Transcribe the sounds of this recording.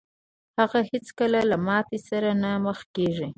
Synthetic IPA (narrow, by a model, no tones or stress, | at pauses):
haɣahɪt͡skəlalamɑt̪esaɾanaməxkeʐi